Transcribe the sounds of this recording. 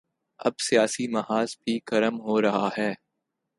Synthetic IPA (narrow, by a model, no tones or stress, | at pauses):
ɐ̰bsijaːsimɐɦaːzbʱikɐɾəmɦoːɾɐɦaɦɛː